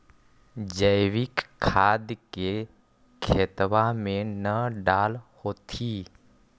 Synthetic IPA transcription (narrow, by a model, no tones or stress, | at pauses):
d͡ʒəjʋɪkʰːaːd̪ke | kʰeːt̪ʋamẽnəɖaːlhoːt̪ʰiː